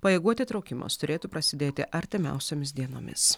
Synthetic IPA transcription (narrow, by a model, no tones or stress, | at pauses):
pɐjeɛɡuɔt̪ʲɪt̪ɾɒʊkʲɪmo̰ːst̪ʊɾʲeːt̪upɾɐsʲɪd̪ʲeːt̪ʲɪʔɐɾʲt̪ʲɪmʲɛ̰ˑʊsʲoːmʲɪs̬d̪ʲiɛno̰ːmʲɪ̰s